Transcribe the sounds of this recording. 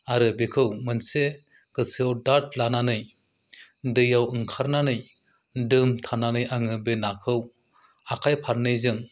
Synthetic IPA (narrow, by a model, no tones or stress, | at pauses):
aɾɯbekʰɯwmɯnse | kɯsɯawdaɾt̚lananɯj | dɯjawɯŋkʰaɾnanɯj | dɯmtʰananɯjaŋɯbenakʰɯw | akʰajpʰaɾnɯjzɯŋ